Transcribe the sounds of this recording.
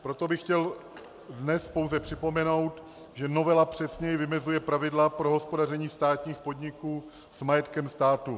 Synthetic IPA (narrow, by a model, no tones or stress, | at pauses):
pɾo̞t̪o̞bɪxcɛl | dnɛspo̞wzɛpr̝̥ɪpo̞mɛno̞wt̪ | ʒɛno̞vɛlapr̝̥ɛsɲɛjɪvɪmɛzujɛpɾavɪdlapɾo̞ɦo̞spo̞dar̝ɛɲiːst̪aːt̪ɲiːxpo̞dɲɪkuː | smajɛt̪kɛmst̪aːt̪u